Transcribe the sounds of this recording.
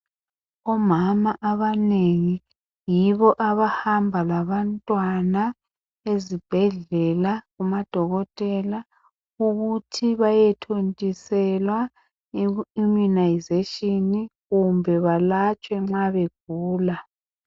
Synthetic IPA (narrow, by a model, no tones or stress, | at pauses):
ɔmamaʔaβaneŋi | jiβɔʔaβahambʱalaβantʼwana | ezib̥ʱɛɮɛlaɣumad̥ʱɔɣɔtʼɛla | uɣutʰiβajɛtʰontʼisɛlwa | umunajzeʃiniɣumbʱɛβalat͡ʃʼwɛŋ͡ǁaβeɡ̥̚ʱuːla